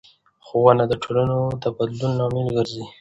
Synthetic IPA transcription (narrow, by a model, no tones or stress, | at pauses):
xowanad̪əʈʰolanod̪əbad̪lunːɑmɪlɡəɾzi